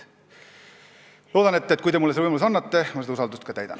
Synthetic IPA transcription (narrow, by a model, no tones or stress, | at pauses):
lo̞ːd̪̥ɑne̞t̪ːet̪̚kujd̪e̞mulːesevɯjmɑlusɑnːɑt̪ːe̞mɑseɑusɑld̪ust̪kɑt̪æjd̪ɑ̰n